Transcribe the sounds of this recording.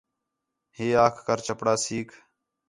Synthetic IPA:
heːaːkʰkəɾt͡ʃəpɽaːsiːkʰ

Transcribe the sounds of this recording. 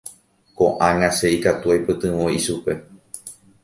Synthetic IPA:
koʔãŋãʃeikat̪uajpɨt̪ɨ̃ʋõiʃupe̞

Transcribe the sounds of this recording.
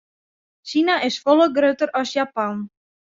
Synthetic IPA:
ʃinaʔɪsfɔlˠəɡrøːtəɾɔsjapan

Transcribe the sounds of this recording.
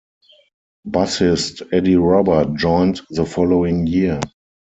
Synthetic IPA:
basɪstɛdiɹɔbə˞t̚d͡ʒɔ̃ɪ̃ntðəfɔloʊɪ̃ŋjiə

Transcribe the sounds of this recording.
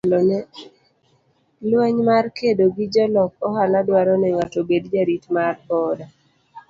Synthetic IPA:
lɔnɛ | lwɛɲmarkedoɡid͡ʒɔlɔk̚ɔhaladwaɾɔnɛŋatobedd͡ʒaɾitmarɔda

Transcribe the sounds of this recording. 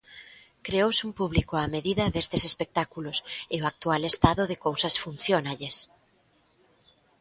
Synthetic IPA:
kɾeowsumpuβlikoameðiðɐðest̪esespek̚t̪akulosɪoak̚t̪ualest̪aðoðekowsɐsfun̟θjonaʎes

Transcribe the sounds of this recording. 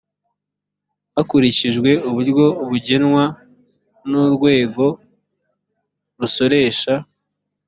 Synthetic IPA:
akuɾiciʒɡwe̞uβuɾjo̞uβuɟe̞nŋwa | nuɾɡwe̞ːɡo̞ | ɾuso̞ɾe̞ːʃa

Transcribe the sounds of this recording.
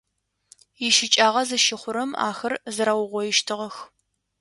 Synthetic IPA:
jɪʃɪt͡ʃʼaːʁɐzɨʃɪχʷʊɾɐma̰ːxɐrzɨɾawʊʁʷɔjɪʃtʰɨʁɐx

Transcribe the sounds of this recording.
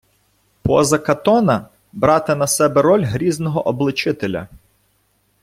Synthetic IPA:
pɔzɐkɐt̪ɔnɐ | bɾɑt̪ɪnɐsɛbɛɾɔlʲɦɾʲiznɔɦɔʔɔblˠɪt͡ʃɪt̪elʲɐ̰

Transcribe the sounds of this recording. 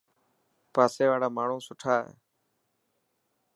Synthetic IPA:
paːseːʋaːɽaːmaːɳ̤ũːsʊʈʰaːɦḛː

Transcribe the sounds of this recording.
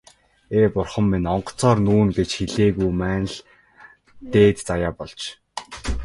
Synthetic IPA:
eːpʊrχə̆mːinɔɴɢɞ̥̆t͡sʰɔːrnuːnɡet͡ɕxiɮeːɣujmæːnɮ | t̪eːt̪t͡sajaːpɔɮt͡ɕ

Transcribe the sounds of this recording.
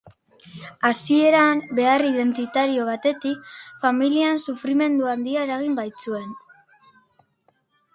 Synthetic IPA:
asie̞ɾambe̞arið̞e̞nt̪it̪aɾio̞β̞at̪e̞t̪ik̚familiansufɾime̞nd̪uand̪iae̞ɾaɣ̞imbajt͡sue̞n

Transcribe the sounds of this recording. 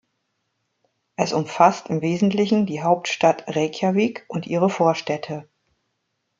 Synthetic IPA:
ʔɛsʊmfastɪmveːzn̩tlɪçn̩diːɦaʊp̚tʃtatʁɛçaviːkʔʊntʔiːʁəfoːɐʃtɛtʰə

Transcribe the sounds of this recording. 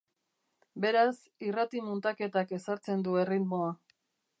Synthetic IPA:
be̞ɾas | irat̪imunt̪ake̞t̪ake̞saɾt͡se̞nd̪ue̞rit̪mo̞a

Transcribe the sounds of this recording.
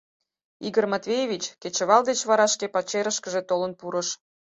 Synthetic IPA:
iɡərmɑt̪vʲejeβʲit͡ɕket͡ɕəβɑld̪et͡ɕβɑɾɑʃkepɑt͡ɕeɾəʃkəʒet̪olənpuɾəʃ

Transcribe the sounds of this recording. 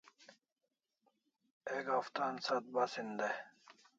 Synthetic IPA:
eɡaft̪aːnsat̪̚basind̪e

